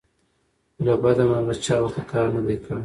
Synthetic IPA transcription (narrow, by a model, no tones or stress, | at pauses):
labad̪amalat͡ʃɑwaxakʰɑɾnad̪ejkʰəɽ